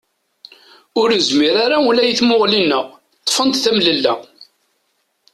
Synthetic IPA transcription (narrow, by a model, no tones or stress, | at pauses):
ʊɾəzmiɾaɾaulæjθmʊʁlinəʁ | t̪ˤːfənt̪θæmləlːæ